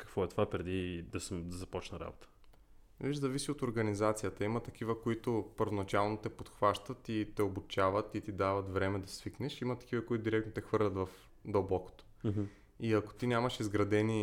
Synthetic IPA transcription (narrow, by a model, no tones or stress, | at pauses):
kɐ̥kvɔɛt̪ovapɾɛd̪id̪ɐsɛd̪ɐzɐpɔt͡ʃnəɾa̰bot̪ə̥ | viʒzɐvisiot̪oɾɡɐnizat̪sijət̪əimət̪ɐk̟ivəkoit̪opəɾvonɐt͡ʃalˠnot̪ɛpot̪xvaʃt̪ət̪it̪ɛobut͡ʃavət̪it̪id̪avɐt̪vɾɛmɛd̪ɐsviknɛʃimət̪ɐ̥kivəkʊit̪ʊd̪iɾɛk̚t̪not̪ɛxvɤɾlʲɐt̪vɐf | d̪obɔko̥t̪o̥ɦ | iɐko̥t̪inʲamɐʃizɡɾɐd̪ɛni